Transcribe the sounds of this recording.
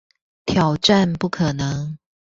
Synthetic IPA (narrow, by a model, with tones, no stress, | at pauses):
t̪ʰjɑ˨˩ʊʈ͡ʂa˥˨npu˥˩kʰɤ˨˩nɤ˨˦ŋ